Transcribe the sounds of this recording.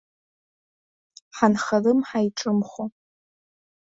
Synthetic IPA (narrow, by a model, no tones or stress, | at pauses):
ħanχalɨmħajʈ͡ʂʼɨmχʷo